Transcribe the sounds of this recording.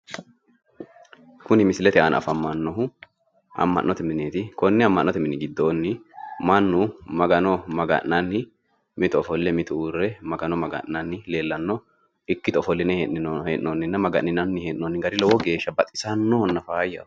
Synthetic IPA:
kʊnɪmɪsɪlɛt̪ɛʔanɐ̰fɐmːɐnːɔɦʊ | ɐ̰mːɐ̰ʔːʔɔt̪ɛmɪneːt̪ɪkɔnːɛɐmːɐnːɔt̪ɛmɪnːɪɡɪd̪ːoːnːɪmɐnːʊmɐɡɐnɔmɐɡɐ̰nːɐnːɪ | mɪt̪ɔɔfɔlːɛmɪt̪uuːrːɛmɐɡɐnɔmɐɡɐ̰ʔːɐnːɪle̞ːlːɐnːɔ | ɪkːɪt̪ɔfɔlːɪnɛheʔɪnheːʔːonːɪnːɐmɐɡɐʔɪnɐnːɪheːʔːoːnːɪɡɐɾɪlɔwɔɡe̞ːʃːɐbɐt̪ʼɪ̥sɐnːɔhɔnːɐfaːjːɐ̰

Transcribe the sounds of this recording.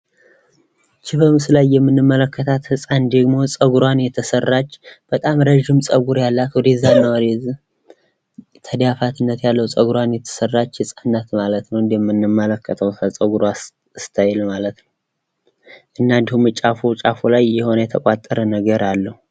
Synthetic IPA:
t͡ʃʰɪβəmsɨlajːɛmːɨnːɨmːələkːət̪ʰat̪hɨsʼand̪əɡmo̞sʼəɡuɾwanjɛt̪ʰəsərːat͡ʃːb̥ət̪ʼamɾəʒːɪmsʼəɡuɾjalːat̪wʊd̪ezanːəwdez | t̪ʰəd̪jafat̪ɨnːət̪jalːəwsʼəɡuɾwanjɛt̪ʰə̥sərːat͡ʃːhɨsʼanːat̪malət̪nəwɨnd̪jɛmːɨnːɨmːələkʰːət̪ʰəwsəsʼəɡuɾoa | st̪ʰajɛlmalət̪nəw | ʔɨnːand̪ihumɨt͡ʃʼafut͡ʃʼafulajːɛho̞nəjɛt̪ʰəkʼat̪ʼːəɾənəɡəɾalːəhu

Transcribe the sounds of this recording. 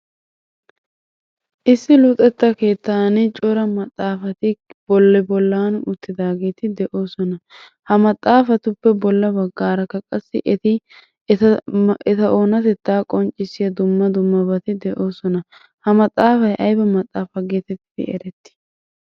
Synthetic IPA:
ʔɪsːɪlʊt̪ʼɛt̪ːɐke̞ːt̪ːaːnɪt͡ʃʼɔɾɐmɐt̪ʼːaːfɐt̪ɪb̥ɔlːɛbɔlːaːnʊʔʊt̪ːɪd̪aːɡe̞ːt̪ɪd̪ɛʔo̞ːsɔnɐ | hɐmɐt̪ʼːaːfɐt̪ʊpːɛbɔlːɐbɐɡːaːɾɐkːɐkʼɐsːɪʔɛt̪ɪ | ɛt̪ɐʔo̞ːnɐt̪ɛt̪ːaːkʼɔnt͡ʃʼɪsːɪjɐd̪ʊmːɐd̪ʊmːɐbɐt̪ɪd̪ɛʔo̞ːsɔnɐ | hɐmɐt̪ʼːaːfɐjʔɐjbɐmɐt̪ʼːaːfɐɡeːt̪ɛt̪ːɪ̰ɛ̰ɾɛt̪ːɪ̥

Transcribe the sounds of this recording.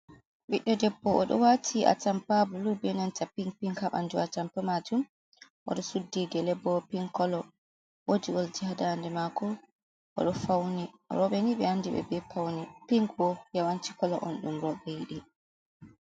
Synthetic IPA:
ɓiɗːɔdɛbːɔʔɔ̰ɗɔ̰watʰiʔa̰tampabulubɛnantapiŋpiŋhaɓa̰nd͡ʒuatampɛmad͡ʒum | ʔɔ̰ɗɔsudːiɡɛlɛbːɔpiŋkɔlɔ | wod͡ʒiɔld͡ʒihadandɛmakɔ | ʔɔ̰ɗɔfawnḭ | ɾɔɓɛniɓɛandiɓɛ̰bɛpawnipiŋkwɔjawanti̥kɔlɔʔɔnɗumɾɔɓɛjiɗi

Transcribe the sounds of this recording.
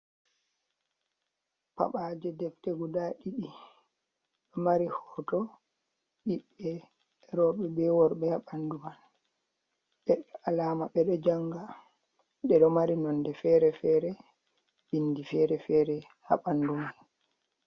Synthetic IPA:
pa̰ɓad͡ʒɛdɛftɛɡudaɗiɗi | ɗɔmaɾihɔːtɔ | ɗiɓːɛ | ɾɔɓɛbɛwɔɾɓɛhaɓanduman | ɓɛɗɔalaːmaɓɛɗɔd͡ʒaŋɡa | ɗɛɗɔmaɾinɔndɛfɛɾɛfɛɾɛ | bindifɛɾɛfɛːɾɛ | ha̰ɓanduman

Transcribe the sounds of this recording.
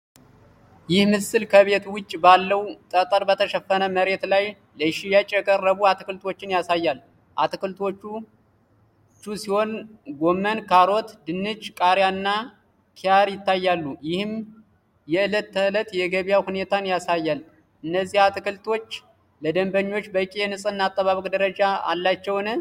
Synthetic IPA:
jɪhmɨsːɨlkʰəβet̪ʰuwʊt͡ʃʼːbalːəwt̪ʼət̪ʼəɾbət̪ʰəʃəfːənəməɾe̞t̪laj | ləʃijat͡ʃʼːjɛkʼərːəβuat̪ʰɨkɨlt̪ʰo̞t͡ʃːɪnjasajːal | ʔat̪ɨkɨlt̪ʰo̞t͡ʃːu | t͡ʃːusiho̞nɡo̞mːənkʰaɾo̞t̪d̪ɨnːɨd͡ʒkʼaɾjanːa | kʰiaɾjɪt̪ːajːalːujɪhɨm | jɛɨlət̪ːəɨlət̪jɛɡəβijahune̞t̪ʰanjasajːal | ʔɨnːəzːihat̪ɨkɨlt̪ʰo̞t͡ʃː | ləd̪əmbəɲːo̞t͡ʃːbəkʼijɛnɨsʼɨnːat̪ʼːəβaβəkʼd̪əɾəd͡ʒaa̰lːat͡ʃːɛwnɨ

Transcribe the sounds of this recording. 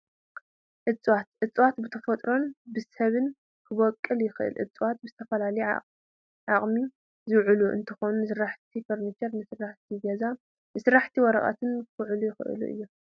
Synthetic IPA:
ʔɨt͡sʼwat̪̚ʔɨt͡sʼwat̪bɨt̪ʰɐfɐt̪ʼɾo̞nbɨsɐβɨn | kʰɨβɔkʼːɨljɪxɨʔɨ̰lʔɨ̰t͡sʼwat̪̚bɨzɨt̪ʰɐfɐlalɐj | ʕaχʼmi | zɨwʕɨluʔɨ̰nt̪ʰɨxonunɨsɨɾaħt̪ʰifɐɾnit͡ʃɐɾnɨsɨrːaħt̪ʰiɡɐza | nɨsɨɾːaħt̪ʰiwɔɾɐχʼa̰t̪ʰɨnkɨʕɨlujɪxɨʔɨ̰lṵʔɨ̰jːu

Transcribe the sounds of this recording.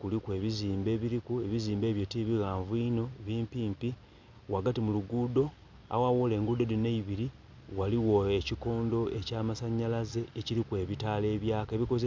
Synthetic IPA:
kulikwe̞ːβiziːmbe̞ːβiɾikue̞βiziːmbe̞ːβjo̞tiβiɣaːɱvwino̞βiːmpiːmpi | waɡatimuluɡuːdo̞ | a̰wawole̞ːŋɡud̪odineiβiɾi | waliwoeciko̞ːndo̞ʔecaːmasaɲːalaze̞ːciɾikwe̞ːβitale̞ːβjaːkeβiko̞ze

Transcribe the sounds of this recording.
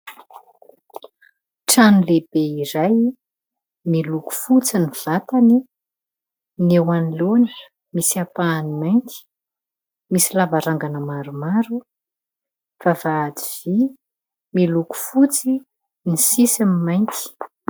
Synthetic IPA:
ʈ͡ʂanileb̥eiɾaj | miluku̥fut͡siniv̥at̪ani | newanilonə | misiapaːnimajnt̪i̥ | misilavaɾaŋɡanəmaɾumaɾu | v̥avaːd͡z̪iv̥i | miluku̥fut͡si | nisisimimajnt̪i̥

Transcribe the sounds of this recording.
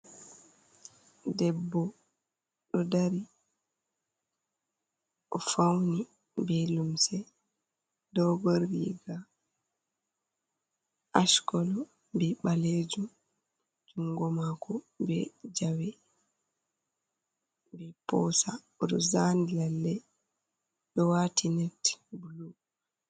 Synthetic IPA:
dɛbːɔ | ɗɔdaɾi | ʔɔfawni | bɛlumsɛ | dɔɡɔɾːiɡa | ʔaʃkɔlɔ | bɛɓaled͡ʒum | d͡ʒuŋɡɔmakɔ | bɛd͡ʒawɛ | bɛpɔsa | ɔɗɔzandlalːɛ | ɗɔwatinɛtbulu

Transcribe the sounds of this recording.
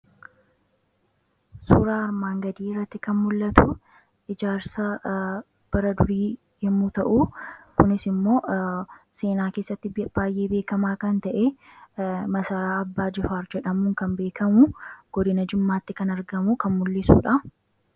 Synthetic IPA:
suːɾaːɐɾmaːŋɡɐd̪iːɪrːɐt̪ːɪkɐnmʊlːɐt̪u | ʔɪd͡ʒaːɾsɐ | b̥ɐɾɐd̪ʊɾiː | jɛmːuːt̪ɐʔuːkʊnɪsɪmːo̞ː | se̞ːnaːkeːsːɐt̪ːɪb̥aːjʔe̞ːbe̞ːkɐmaːkɐnt̪ɐʔeː | mɐsɐɾaːɐbːaːd͡ʒɪfaːɾd͡ʒɛᶑɐmuːŋkɐmbe̞ːkʰɐmuɡ̥ɔd̪ɪnɐd͡ʒɪmːaːt̪ːɪkɐnɐɾɡɐmukɐnmʊlːɪsṵːᶑɐ

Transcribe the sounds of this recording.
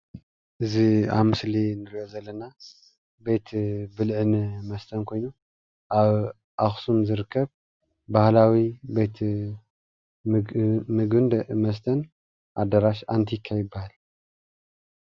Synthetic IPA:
ʔɨzia̰βmɨslinɨɾiʔo̞zɐlːɐna | be̞t̪ʰbɨlʕɨnmɐst̪ʰɐnkʰo̞jnu | ʔaβ | ʔaxsumzɨɾɨkːɐβ | bahlawibe̞t̪ʰ | mɨɡɨnd̪mɐs̬t̪ʰɐn | ʔad̪ɐɾaʃant̪ʰikʰːajɪbːahal

